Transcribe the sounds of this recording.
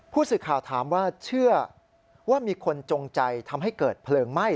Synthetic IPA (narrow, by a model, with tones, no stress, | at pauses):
pʰuː˥˩sɯː˨˩kʰaː˨˩wt̪ʰaː˩˦mwaː˥˩t͡ɕʰɯ˥˩ɐ | waː˥˩miː˧kʰo˧nt͡ɕo˧ŋt͡ɕa˧jt̪ʰa˧mɦa˥˩jkɤː˨˩t̪̚pʰlɤː˧ŋma˥˩j